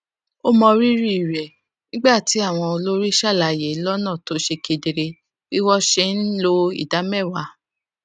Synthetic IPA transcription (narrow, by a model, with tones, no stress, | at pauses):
o˦mɔ̃˧ɾi˦ɾi˦i˨ɾɛ˨ | nĩ˦ɡ͡ba˦˨ti˨˦a˦˨w̃ɔ̃˧o˧lo˦ɾi˦ʃa˦˨la˨je˨˦lɔ˦nã˦˨to˨˦ʃe˧ke˧de˧ɾe˧ | i˦wɔ˦ʃe˧˦n̩˦lo˦ḭ˦˨da˨˦mɛ˦˨wa˨˦